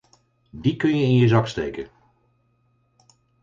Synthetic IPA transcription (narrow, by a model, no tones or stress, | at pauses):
dikɵnjəɪnjəzɑkstḛjkən